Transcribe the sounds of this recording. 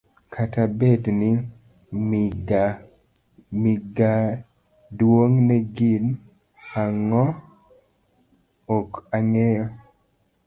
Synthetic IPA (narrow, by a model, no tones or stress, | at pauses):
kʰatabedni | ɡ | miɡa | dwoŋnɛɡin | aŋɔ | okaŋejo